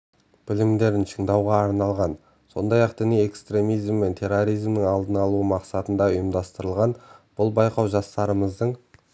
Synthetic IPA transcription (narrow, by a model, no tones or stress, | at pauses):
b̥ɪlɪmd̪e̞ɾɪnʃəɴd̪ɑwʁɑːɾnɑlˠʁɑn | so̞̰nd̪ɑjɑqd̪ɪneje̞kst̪ɾe̞mijzmːe̞nt̪ʰe̞rːo̞ɾijzmnəŋɑlˠd̪ənɑlˠuəmɑqsɑt̪ənd̪ɑʊjəmd̪ɑst̪əɾəlˠʁɑnb̥ʊlˠbɑjqɑwʒɑst̪ɑɾəməzd̪əɴ